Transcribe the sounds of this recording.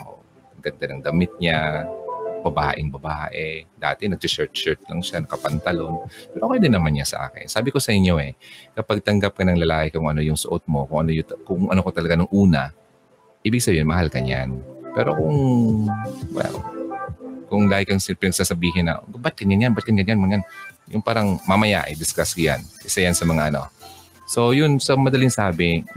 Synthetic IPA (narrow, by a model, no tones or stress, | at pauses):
ʔo̰ | ɐɡɐnd̪anɐŋd̪ɐmɪt̪̚ɲa | bɐbaːʔɪŋbɐbaʔɛd̪a̰ːt̪ɛnɐɡ̚sɪt͡ʃɛɹt̪t͡ʃɛɹt̪̚lɐŋʃanɐkɐpɐnt̪ɐlonpɛɾʔoːkjd̪ɪnːɐmanɲasɐ̰ʔa̰ːkɪ̰nsaːbɪko̞sɐʔɪɲːo̞ɛkɐpaɡ̚t̪ɐŋɡap̚kɐnɐŋlɐlaːkɪkʊŋʔɐno̞jʊŋsʊʔot̪̚mo̞kʊŋʔɐnojʊt̪kʊŋʔɐnokot̪ɐlɐɡanʊŋʔuːnɐ | ʔiːbɪɡ̚sɐbiːɪnmɐhalkɐɲa̰npɛ̰ːɾo̞kʊŋ | wɛ̰l | kʊŋd̪aːhɪkɐŋsɪpɪnɐɡsaːsɐbiːɦɪnːɐ̰bɐt̪̚kɐnɲjanjanbɐt̪̚kɐnɡɐnjanmɐjanjʊŋpaːɾɐŋmɐmɐja̰ːʔɛ̰d̪ɪskaskʊja̰nʔɪsɐjansɐmɐŋaʔɐno̞̰ | so̞jʊnsɐmɐd̪ɐlɪŋsaːbɪ